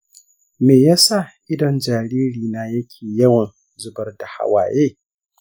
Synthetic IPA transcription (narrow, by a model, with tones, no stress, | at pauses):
meː˨jaː˦sa˦˨ʔɪ˦dɔ˨nd͡ʒaː˨ɾiː˦ɽiː˨naː˦jɐ˦kʲʰeː˨jɐ˦wɐ˨n | zʊ˦bɐ˦rda˨ha̰˦wa̰ː˨jeː˦